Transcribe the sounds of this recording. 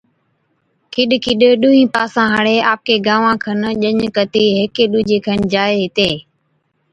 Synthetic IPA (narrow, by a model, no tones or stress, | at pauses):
kʰɪɗkʰɪɗɗuɦĩːpaːsãːɦəɽeːʔaːp̚keːɡãːʋãːkʰənʄəɲkət̪iːɦeːkeːɗuːd͡ʒeːkʰənd͡ʒaːeːɦɪt̪eː